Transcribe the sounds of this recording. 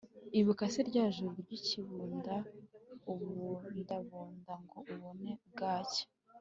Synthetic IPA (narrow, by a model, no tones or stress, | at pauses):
iβukasiɾɟaːʒuɾuɾɟiciβuːndauβundaβuːndaŋɡo̞uβonebɡaːce̥